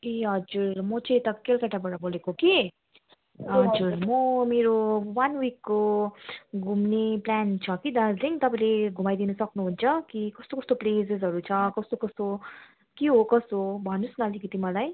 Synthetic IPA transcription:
eʌd͡zuɾmʌt͡sʌ̃ĩt̪ʌkelkaʈabaɽʌbolekoki | ʌd͡zuɾmʌmeɾowanwikːo | ɡʱumneplant͡sʰʌkid̪ad͡zliŋt̪ʌpãĩleɡʱumajd̪inʌsʌknuɦunt͡sʰʌkikʌst̪okʌst̪oplesesɦʌɾut͡sʰʌkʌst̪okʌst̪o | kiɦokʌst̪obʱʌnusnʌlikʌt̪imʌlaj

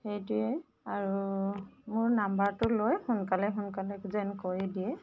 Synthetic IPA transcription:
xejtuɛ | aɹu | mʊɹnambaɹtʊlojhʊnkalɛxʊnkalɛkzɛnkɔɹidiɛ

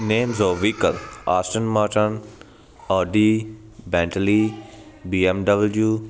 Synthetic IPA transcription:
nẽːmzɔːʋiːkəlaːsʈənmaːʈən | əːɖiː | bɛ̃ːɳʈəliː | biːɛmɖəbəljuː

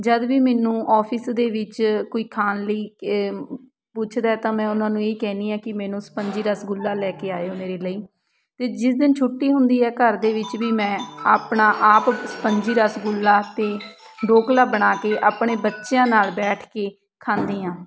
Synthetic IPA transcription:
d͡ʒəd̪ʋiːmɛːnũːʔɔːpʰɪsd̪eːʋɪt͡ʃkoːiːkʰaːnləiː | pʊt͡ʃʰd̪aɛːt̪ãːmɛ̃ːʊnãːnũːeːkɛːniːãːkɪmɛːnũːsə̥pəɲd͡ʒiːɾəsɡʊlːaːlɛːkeːaːeoːmeːɾeːləiː | t̪eːd͡ʒɪsd̪ɪnt͡ʃʰʊʈːiːɦʊnd̪iːɛːkəɾd̪eːʋɪt͡ʃʋiːmɛ̃ːaːpɳaːʔaːpsə̥pəɲd͡ʒiːɾəsɡʊlːaːt̪eː | ɖoːklaːbəɽ̃aːkeːʔaːpɳeːbətːʃjãːnaːlbɛːʈʰkeː | kʰãːnd̪iːãː

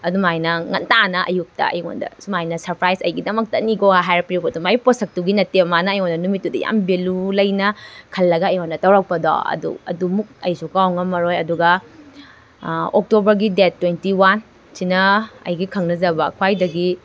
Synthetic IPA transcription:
ɐdumajnɐŋɐntanɐʔɐ̰juk̚tɐ̰ɐ̰jŋo̰ndɐ̰sumajnɐsɐɾpɾajsɐjɡidɐmɐk̚tɐniɡohaɦajɾɐpiɾpotumaiposɐk̚tuɡinɐtemanɐːjŋondɐnumit̚ːudɐ̰ja̰mbelulɐjnɐkʰɐlːɐɡɐɐjŋondɐtɐwɾɐk̚pɐdɔ̰ɐ̰dṵɐ̰dumuk̚ɐjsukawŋɐmɐɾojɐduɡɐ | ok̚tobɐɾɡidet̚ːwentiwan | sinɐɐ̰jɡikʰɐŋnɐzɐbɐkʰwajdɐɡi

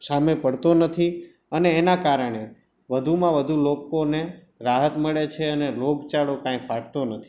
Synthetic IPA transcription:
samepəɽt̪onət̪ʰi | əneːnakaɾəɳ̃e | ʋəd̪ʱumãʋəd̪ʱulokone | ɾaɦət̪məɭet͡ʃʰeəneloɡt͡ʃaɽokãĩfaʈt̪onət̪ʰi̥

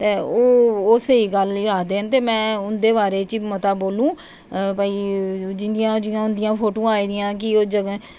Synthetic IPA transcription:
t̪eːoːoːseiːɡəlaːd̪eːənt̪eːmɛ̃ːʊnd̪eːβaːɾeːt͡ʃimət̪aːboːlũː | paːiːd͡ʒɪnd̪ɪjãːd͡ʒɪjãːʊnd̪ɪjãːpʰoːʈõːaːiːd̪ɪjãːk̬ɪoːd͡ʒəɡ

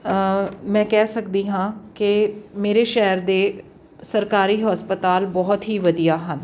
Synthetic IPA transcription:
mɛ̃ːkɛːsəkd̪iːɦãːkɪmeːɾeːʃɛɦəɾd̪eː | səɾkaːɾiːɦəspət̪aːlbɔːt̪ɦiːʋəd̪ijaːɦən

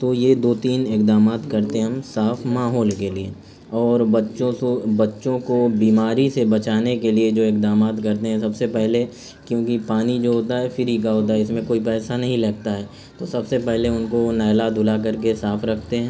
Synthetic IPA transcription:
t̪oːjed̪oːt̪iːnɪkd̪aːmaːt̪kɐɾt̪eɦɦɐmsaːfʰmaːɦɔːlkelie | ɔːɾbɐtːʃõobɐtːʃõkobiːmaːɾisebɐt͡ʃaːnekelied͡ʒoːɪkd̪aːmaːt̪kɐɾt̪eɦɛ̃sɐbsepɛɦle | kjõːkipaːnid͡ʒoːɦoːt̪aɦɛfɪɾik̬aɦoːt̪aɦɛɪsmẽkoːipɛːsanɐɦĩlɐɡ̚t̪aɦɛː | t̪osɐbsepɛɦleʊnkonɛːjlad̪ʱʊlak̬ɐɾkesaːfʰɾɐkʰt̪eɦɛ̃ː

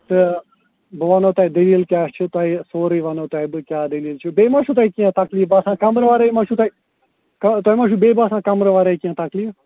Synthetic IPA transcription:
t̪ɨ | bɨʋɐnot̪aːid̪ɐliːlkʲjaːst͡ʃʰut̪aːisoːɾəːʋɐnot̪aːibɨkʲjaːd̪ɐliːlt͡ʃʰubeːmãʃʰuːt̪aːikijãːt̪ɐklijbaːsãːkɐmɾʋaːɾaimãʃʰut̪ai | kɐt̪aːimãːʃubeːbaːsãːkɐmɾəʋaːɾaikiãːt̪ɐklij

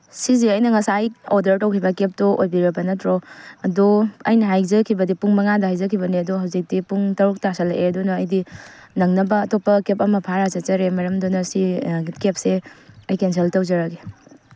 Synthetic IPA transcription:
siziɐjnɐŋɐsajodɐɾtɐwkʰibɐkep̚tuʔojbiɾebɐnɐtʰɾoɐduɐ̰jnɐɦajzɐkʰibɐdipuŋmɐŋadɐhajzɐkʰibɐniɐduɦawzik̚tipuŋtɐɾuk̚tasɐlʔeɐdunɐːjdinɐŋnɐbɐːtopːɐkepɐmɐpʰaɾazɐzɐɾemɐɾɐmdonɐsikep̚seɐjkens̬eltɐwzɐɾɐɡe

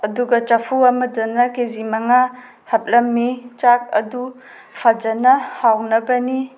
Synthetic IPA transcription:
ɐduɡɐt͡ʃapʰuamɐdɐnɐkezimaŋa | hɐp̚lɐmːit͡ʃak̚ɐ̰du | pʰad͡ʒɐnɐhawnɐbɐni

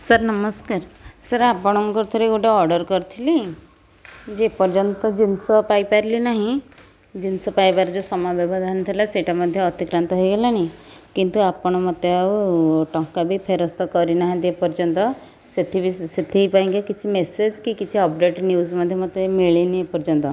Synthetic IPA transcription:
səɾnəməskaɾsəɾapəɳ̃mɔkɔɾt̪ʰəɾekoʈeɔɾɖəɾkɔɾt̪ʰili | d͡ʑepəɾd͡ʑənt̪ɔd͡ʑinsɔpajpaɾlinaɦĩ | d͡ʑinsɔpajpaɾd͡zosɔmabebʱad̪ʱant̪ʰilaseʈaməd̪ʱːjeɔt̪ikɾant̪ɔɦɔjɡelanakint̪uapəɳ̃mət̪eaʈɔ̃ŋkabʱipʰeɾɔst̪ɔkɔɾinaɦĩd̪epəɾd͡ʒɔnt̪ɔ | set̪ʰibʱiset̪ʰipaĩŋɡekit̪ʰimesed͡ʑkikit̪ʰiɔp̚ɖeʈnjuzməd̪ʱːjemət̪ːemiɭiniepɔɾd͡ʒɔnt̪ɔ

